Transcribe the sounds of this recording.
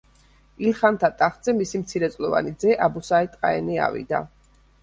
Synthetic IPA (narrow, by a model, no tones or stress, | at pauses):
ilχant̪ʰat̪ʼaχt̪z̥ɛmisimt̪sʰiɾɛt̪sʼlɔva̰nid̪zɛʔabusait̪ʼqʼaɛnia̰vḭd̪a̰